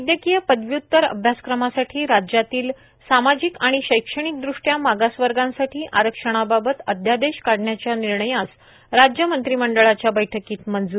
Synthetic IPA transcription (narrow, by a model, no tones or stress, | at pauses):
id̪jəkijəpəd̪ʋjut̪ːəɾə̰bʱjaskɾəmasaʈʰiːɾad͡ʑat̪iːl | samad͡ʑiːkaɽ̃iɕəjkʂəɽ̃ik̚d̪ɾuʂʈjamaɡasʋəɾɡãnsaʈʰiːʔaɾəkʂəɽ̃ababət̪əd̪ʱjad̪eɕkaɽɳjat͡ɕjaniɾɳəjat͡s | ɾad͡ʑjəmənt̪ɾiməɳɖəɭat͡ɕjabəjʈʰəkiːt̪mənd͡zu